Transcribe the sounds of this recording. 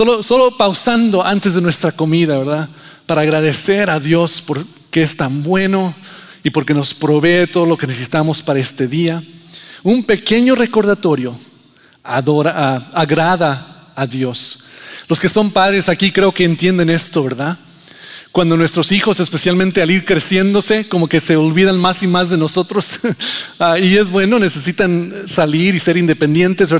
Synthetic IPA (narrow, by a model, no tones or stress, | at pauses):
soloso̞lo̞pawsand̪o̞ant̪e̞zðe̞nwe̞st̪ɾako̞miðaβe̞ɾða | paɾaːɣɾaðe̞se̞ɾaðjo̞spo̞ɾ | keest̪ambwe̞no̞ipo̞ɾke̞no̞spɾo̞βe̞t̪oðolo̞kenesesit̪amo̞spaɾae̞st̪e̞ðiaumpe̞ke̞ɲo̞re̞ko̞ɾðat̪o̞ɾjo̞ | aðoɾaaaɣɾaðaː | ðjo̞slo̞ske̞so̞mpaðɾe̞sakikɾe̞o̞ke̞ːnt̪je̞nd̪e̞ne̞st̪o̞βe̞ɾða | kwand̪o̞nwe̞st̪ɾo̞sixo̞se̞spe̞sjalmẽnt̪e̞aliɾkɾe̞sje̞nd̪o̞se̞ko̞mo̞keseolβiðanmasimazðe̞no̞so̞t̪ɾo̞s | aie̞zβwe̞no̞ne̞se̞sit̪ansaliɾise̞ɾind̪e̞pe̞nd̪je̞nt̪ezβe